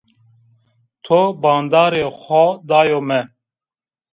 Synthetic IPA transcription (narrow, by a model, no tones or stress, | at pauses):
t̪ʰobɑːnd̪ɑːɾexʷɔd̪ɑːjomɛ